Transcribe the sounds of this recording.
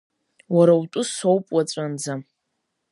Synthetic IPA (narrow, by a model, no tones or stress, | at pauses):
waɾawtʼʊsowpʼwat͡sʷʼand͡za